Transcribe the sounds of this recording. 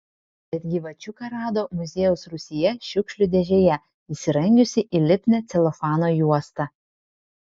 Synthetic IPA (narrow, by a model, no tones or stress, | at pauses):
bʲɛt̪̚ʲɡʲɪʋɐt͡ʃʲʊkɐɾɑːd̪oːmʊzʲeːjɛʊsɾʊsʲɪjɛʃʲʊkʃʲlʲʊd̪ʲɛʒʲejɛ | isʲɪɾɐŋʲɡʲʊsʲɪʔilʲɪpʲnʲɛt̪sʲɛlˠɔfɑːnoːjuɔst̪ɐ